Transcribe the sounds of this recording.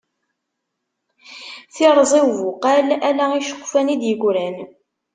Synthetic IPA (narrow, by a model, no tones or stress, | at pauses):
θɪɾˤzˤɪwvʊqælælæiʃə̥qʷːfænid̪jəɡʷɾæn